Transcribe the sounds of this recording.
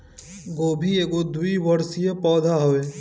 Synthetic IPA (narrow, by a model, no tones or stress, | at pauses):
ɡoːbʱieːɡod̪uiʋəɾsijepɔːd̪ʱaɦoeː